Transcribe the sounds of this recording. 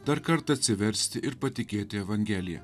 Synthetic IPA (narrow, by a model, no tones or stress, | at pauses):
d̪ɐɾkɐɾt̪ɐɐt̪ʲsʲɪʋʲɛɾʲsʲt̪ʲɪʔɪɾpɐt̪ʲɪkʲeːt̪ʲɪɛʋɐŋʲɡʲɛlʲɪjɛ̰